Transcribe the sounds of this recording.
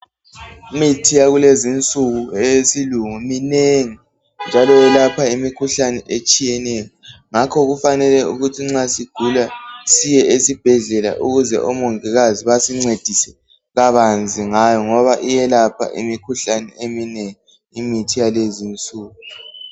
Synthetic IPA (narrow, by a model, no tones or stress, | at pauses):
mitʰijaɣulezint͡sʼuɣuɛjesiluŋumineŋi | nd͡ʒʱalɔwɛlapʰaimikʰuɬanɛʔet͡ʃʼijɛnɛjɔŋakʰɔɣufanɛlɛuɣutʰiŋ͡ǁasiɡ̥ʱulasijɛʔesib̥ʱɛɮɛla̰ʔuɣuzɛ̰ʔɔmoŋiɣaziβasiŋ͡ǀed̥ʱisɛ̥ | ɣaβand͡zʱiŋajɔŋɔβaʔijɛlapʰa̰ʔḭmikʰuɬanɛ̰emineŋi | imitʰijalezint͡sʼuːɣu